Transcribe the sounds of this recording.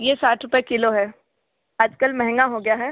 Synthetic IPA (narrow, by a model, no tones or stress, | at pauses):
jesaːʈʰɾʊpjekɪloɦɛː | aːd͡ʒkəlmɛɦɛ̃ŋɡaɦoɡɐjaɦɛː